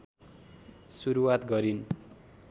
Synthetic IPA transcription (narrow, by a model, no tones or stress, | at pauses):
suɾuwat̪ɡʌɾin